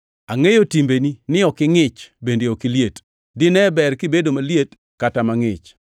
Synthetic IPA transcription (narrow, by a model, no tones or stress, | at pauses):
aŋejotimbeninɪɔkɪŋɪt͡ʃbendeokiljet | dɪnɛbɛrkɪbedomaljet | katamaŋɪt͡ʃ